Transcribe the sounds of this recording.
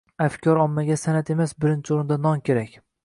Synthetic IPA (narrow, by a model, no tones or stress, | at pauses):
afkʲʰɒɾɒmːaɡʲasanat̪e̞masbɪɾɪnt͡ʃʰɪoɾɪnd̪anɒŋkʲʰe̞ɾakʲ